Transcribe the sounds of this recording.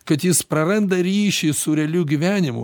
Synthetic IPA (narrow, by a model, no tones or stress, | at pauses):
kɐt̪jɪspɾɐɾɐnd̪ɐɾʲiːʃʲisʊɾʲɛlʲuɡʲiʋʲæːnʲɪmʊ